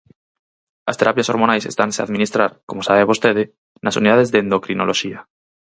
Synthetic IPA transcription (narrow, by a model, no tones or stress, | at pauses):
a̰st̪eɾʔapjaso̞ɾmonajse̞̰st̪ansea̰ðmĩnist̪ɾaɾkomosaβeβost̪eðe | nʔasṵniðaðezðeend̪okɾinoloʃia